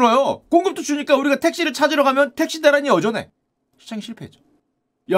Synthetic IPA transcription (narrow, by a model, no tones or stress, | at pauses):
ɾʌjok͈oŋɡɯp̚t͈ot͡ɕuɲik͈auɾiɡatʰe̞k̚ɕ͈iɾɯɭt͡ɕʰad͡ʑiɾʌɡamjʌntʰe̞k̚ɕ͈idaɾaɲiʌd͡ʑʌne̞̰ | ɕʰi̥sʰeŋɕʰiɭpʰeed͡ʑo̥ | ja